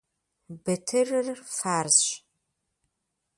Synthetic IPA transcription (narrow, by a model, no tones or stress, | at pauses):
bɨtʰɨrɨrfaːrzɕ